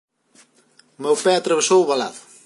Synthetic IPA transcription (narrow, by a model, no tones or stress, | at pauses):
mewpɛat̪ɾɐβesowβala̰ðʊ